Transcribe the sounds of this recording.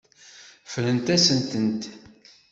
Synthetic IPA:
flənt̪æsənt̪ənt̪

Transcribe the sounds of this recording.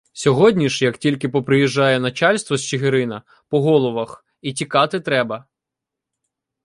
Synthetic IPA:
sʲɔɦɔdʲnʲiʃjɐktʲilʲkɪpɔpɾɪjiʒːɑjɛnɐt͡ʃɑlʲst̪ʋɔst͡ʃɪɦɪɾɪnɐ | pɔɦɔlˠɔʋɐx | itʲikɑt̪ɪt̪ɾɛbɐ

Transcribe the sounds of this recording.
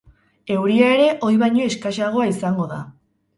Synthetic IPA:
e̞wɾiae̞ɾe̞ʔo̞jβajɲo̞eskaʃaɣ̞o̞aisaŋɡo̞ða̰

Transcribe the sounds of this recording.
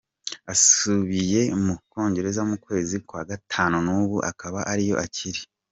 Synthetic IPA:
asuβije̞muko̞ːɲɟe̞ɾe̞zamukwe̞ːzikwaːɡatʰaːnunuːβuʔa̰kaβaʔaɾijo̞ʔaciɾi

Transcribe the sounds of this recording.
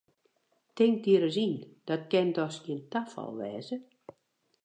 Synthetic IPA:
tɪŋk̚diəɾəzind̥ɔtkɛndɔsɡiəntafɔ̰lˠʋɛːzə

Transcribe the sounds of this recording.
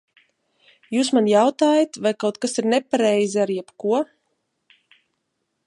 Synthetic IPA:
juːs̬manjawt̪aːjat̪vajkawt̪̚kasiɾnɛpaɾɛjziaɾjɛbkuɔ

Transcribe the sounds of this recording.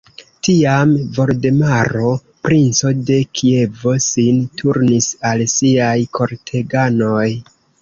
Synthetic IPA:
tiamvo̞ɾdemaɾo̞ | pɾʔint͡so̞de̞kʰie̞vo̞sintʰuɾnisalsiajkʰo̞ɾtʰe̞ɡano̞j

